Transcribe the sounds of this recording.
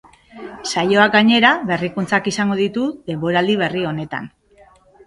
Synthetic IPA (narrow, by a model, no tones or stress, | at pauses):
sajo̞ak̚ɡaɲe̞ɾaβe̞rikunt͡sakisaŋɡo̞ðit̪uðe̞mbo̞ɾald̪iβ̞e̞rio̞ne̞t̪a̰n